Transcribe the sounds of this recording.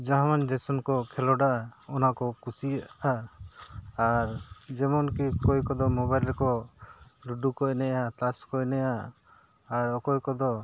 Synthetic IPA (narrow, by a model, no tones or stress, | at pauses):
d͡ʒaɦãmand͡ʒɛsɔnkɔkʰɛlɔɖaʔaɔnakɔkusiaʔʔa | aɾd͡ʒɛmɔnkikɔjkɔd̪ɔmɔbajlɾɛkɔ | ɾuɖukɔʔnɛjat̪askɔjnɛjaː | ɾɔkɔjkɔd̪ɔ